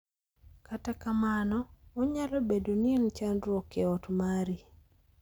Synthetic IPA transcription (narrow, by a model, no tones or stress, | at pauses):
katakamanɔɔɲalobedonient͡ʃandɾɔkɛɔtmaɾi